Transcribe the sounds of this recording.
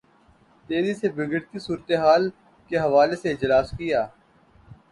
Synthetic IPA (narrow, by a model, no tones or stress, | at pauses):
t̪eːzisebɪɡəɽkisuːɾət̪eɦaːl | keɦɐʋaːleseɪd͡ʒɐlaːskɪjaː